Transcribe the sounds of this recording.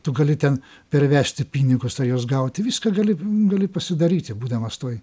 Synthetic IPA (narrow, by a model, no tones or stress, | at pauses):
t̪ʊɡɐlʲɪt̪ʲɛn | pʲɛɾʲʋʲæːsʲt̪ʲɪpʲiːnʲɪɡʊsɐjoːsɡɐʊt̪ʲɪʋʲiːskɐɡɐlʲɪɡɐlʲɪpɐsʲɪd̪ɐɾʲiːt̪ʲɪbuːd̪ɐmɐst̪oːj